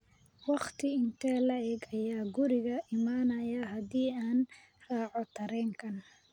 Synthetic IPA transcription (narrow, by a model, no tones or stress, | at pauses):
wɑχt̪ʰɪɪnt̪ʰɛːlɐɛːɡɐjaːɡʊɾɪɣɐʔɪmaːnɐjɐɦɐðiːaːn | raːʕɔt̪ʰɐɾɛːŋkʰɐn